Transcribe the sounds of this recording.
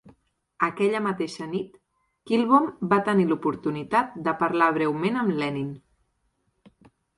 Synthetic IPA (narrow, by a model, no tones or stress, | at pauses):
əkɛʎəmət̪eʃənit̪ | kilˠβombat̪ənilupuɾt̪unit̪at̪̚d̪əpəɾlaβ̞ɾɛwmenəmlɛnin